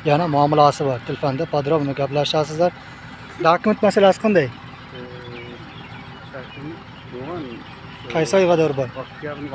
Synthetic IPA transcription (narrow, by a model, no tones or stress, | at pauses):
janamʊamɪlˠasɪbɒɾt̪ʰɪlfand̪apʰad̪ɾɒmnɪɡʲaplaʃasɪzlaɾ | d̪akment̪masalasɪ̥qʰɑnd̪aj | qʰɑjsɒjʁɑd̪aɾbɒɾ